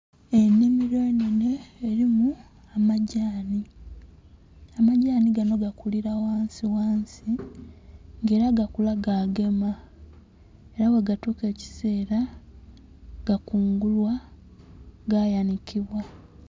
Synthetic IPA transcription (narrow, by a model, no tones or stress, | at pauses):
e̞nːimiɾoenene̞ːɾimu | amaɟaːni | amaɟaːniɡano̞ɡakuliɾawaːnsiwaːnsi | ŋɡe̞ːɾaɡakulaɡaːɡe̞ma | e̞ɾawe̞ɡatuke̞ːci̥se̞ːɾa | ɡ̥akuːŋɡulwa | ɡajanikiβwa